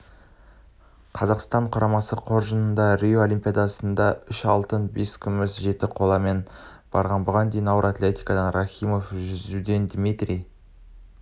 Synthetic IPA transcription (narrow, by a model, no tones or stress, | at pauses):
qʰɑzɑqst̪ɑɴqʰʊɾɑmɑsəqʰo̞ɾʒənənd̪ɑɾʲioo̞lˠimpʲijad̪ɑsənd̪ɑʏʃɑlˠt̪ənbe̞skʲʰʏmʏsʒe̞t̪ɪqʰo̞lˠɑme̞n | b̥ɑ̰ɾʁɑnbʊʁɑnd̪ejnɑwɾat̪lʲe̞t̪ijkɑd̪ɑnraχʲijmo̞fʒʏzud̪e̞nd̪mit̪rʲij